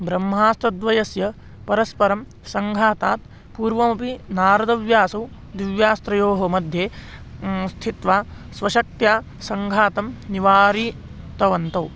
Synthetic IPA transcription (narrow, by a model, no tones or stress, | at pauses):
bɾɐmːaːst̪ɐd̪ʋɐjɐsjɐ | pɐɾɐspɐɾɐm | sɐŋɡʱaːt̪aːt̪ | puːɾʋɐmɐpinaːɾɐd̪ɐʋjaːsɐw | d̪iʋjaːst̪ɾɐjoːɦɐmɐd̪ʱjeː | st̪ʰit̪ʋaː | sʋɐʃɐk̚t̪jaː | sɐŋɡʱaːt̪ɐmniʋaːɾiː | t̪ɐʋɐnt̪ɐw